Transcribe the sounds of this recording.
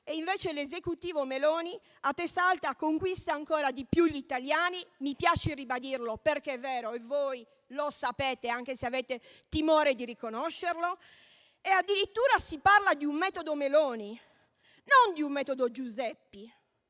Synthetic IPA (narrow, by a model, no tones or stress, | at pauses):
eiɱveːt͡ʃelezekut̪iːvomeloːni | at̪ːɛst̪aalt̪akoŋkwist̪aːŋkɔːɾad̪ipjuʎːit̪aljaːnimipjaːt͡ʃeribad̪irloperkeɛvːɛːɾoɛvoːj | losapɛːt̪eaŋk̟eseavɛːt̪e | t̪imɔːɾed̪irikonɔʃːerlo | ead̪ːiɾit̪ːuːɾasiparlad̪iummɛːt̪od̪omeloːni | nond̪iummɛːt̪od̪od͡ʒuzɛpːi